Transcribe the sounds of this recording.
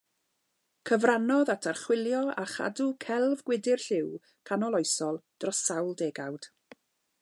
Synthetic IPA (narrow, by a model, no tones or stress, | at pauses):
kʰəvranɔðatʰarχwɪlˠjɔa̰χa̰dukʰɛlˠvɡwɪdɪrɬɪw | kʰanɔlˠɔjsɔlˠd̥rɔsawlˠdeːɡawd̥